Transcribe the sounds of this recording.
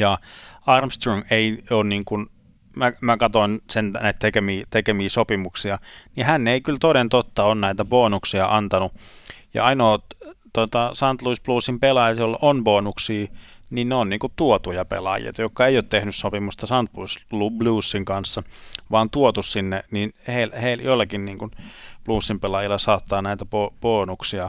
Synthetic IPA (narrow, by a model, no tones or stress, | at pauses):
jɑɑrmst̪roŋeioːnniːŋkun | mæmækɑt̪oinsennæˑit̪t̪ekemiːt̪ekemiːsopimuksiɑnihænːeikylt̪onent̪ot̪ːɑonnæit̪æʋoːnuksiɑʔɑnt̪ɑnu | jɑ̰ɑinoːt̪ot̪ɑsɑnt̪luisb̥luːsːimpelɑjɑt̪jolːonʋoːnuksiː | ninneonniːŋkutt̪uot̪ujɑpḛlɑ̰jḛːt̪ɑjokːɑeijoːt̪t̪ehnyssopimust̪ɑsɑnt̪luislubluːsːiŋkɑnsːɑʋɑːnt̪uot̪ussinːeninheilheiljoilːɑkinniːŋkunpluːsːimpelɑjilːɑsɑːt̪ːɑːnæˑit̪æpopoːnuksiɑ